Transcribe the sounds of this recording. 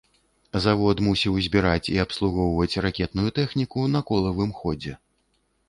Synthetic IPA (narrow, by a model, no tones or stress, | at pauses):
zavɔt̪musʲiwzʲbʲiɾat͡sʲiɐpslˠuɣɔwvɐt͡sʲrakʲɛt̪̚nujut̪ɛxnʲikunɐkɔlˠɐvɨmxɔd͡zʲɛ